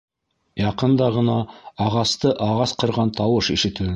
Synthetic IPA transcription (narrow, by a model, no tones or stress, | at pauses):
jɑqənd̪ɑʁənɑɑʁɑst̪əʔɑʁɑsqʰə̆ɾʁɑnt̪ʰɑwəʃeʃet̪u